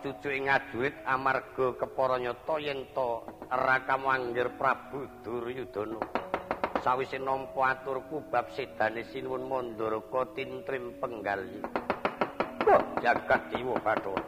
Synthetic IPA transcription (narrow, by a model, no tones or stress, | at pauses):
t͡ʃu̥t͡ʃuʔɪŋad̥ʒ̥ṳɾɪt̪̚amarɡ̥ɔ̤kəpɔɾɔɲɔt̪ɔjɛnt̪ɔərakamuaŋɡɪrpɾab̥ud̪̥ʊ̤rjud̪̥o̤no | sawisenɔmpɔat̪ʊrkub̥a̤p̚sed̪̥a̤nesinwʊnmɔnd̪ɔrkɔt̪int̪ɾɪmpəŋɡali | bɔhd͡ʒ̥aɡ̥at̪̚d͡ʒiwɔb̥aʈɔ